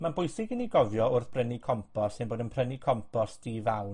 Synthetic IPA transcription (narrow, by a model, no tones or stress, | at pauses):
manbʊjθɪɡɪniɡɔvjɔʊrθb̥rənikʰɔmpʰɔsɪnboːdənpʰrənikʰɔmpʰɔsd̥ivawn